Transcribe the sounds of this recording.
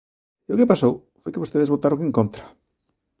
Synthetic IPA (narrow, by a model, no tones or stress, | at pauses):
eokepasow | fojkɪβost̪eðezβot̪aɾõŋeŋkont̪ɾḁ